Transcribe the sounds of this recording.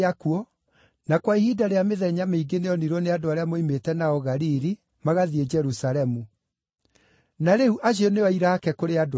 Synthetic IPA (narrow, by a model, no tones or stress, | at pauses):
akuɔ | nakwaihidaɾeameðɛɲameiɡeneɔniɾɔneadoaɾeamoimetɛnaɔɣaɾiɾi | maɣaðied͡ʒɛɾusalɛmu | naɾeuʔaɕeɔneaiɾaːkɛkoɾead